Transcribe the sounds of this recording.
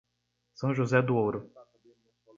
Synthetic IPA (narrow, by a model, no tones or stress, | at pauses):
sɐ̃w̃ʒuzɛd̪uowɾʊ